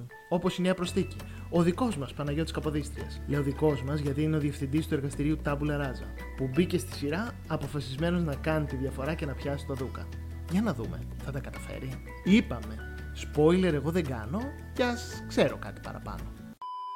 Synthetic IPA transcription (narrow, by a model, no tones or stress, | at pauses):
o̞po̞sineɐpɾo̞sθici | o̞ðiko̞zmɐspɐnɐʝo̞t̪iskɐpoðist̪ɾiɐsleo̞ðiko̞zmɐzʝɐt̪iineoðiefθind̪ist̪ue̞ɾɣɐst̪iɾiut̪ɐbulɐɾɐzɐ̰ | pubice̞st̪i̥siɾɐː | po̞fɐsizme̞no̞znɐkɐnit̪iðʝɐfo̞ɾɐce̞nɐpçɐsi̥t̪oðukɐ̰ | ʝɐnɐðume̞̰ | θɐt̪ɐkɐt̪ɐfe̞̰ɾi | ipɐme̞ | spo̞jle̞ɾe̞ɣo̞ðe̞ɡɐno̞ | ceɐskse̞ɾo̞kɐ̰t̪i̥pɐ̰ɾɐ̰pɐ̰no̞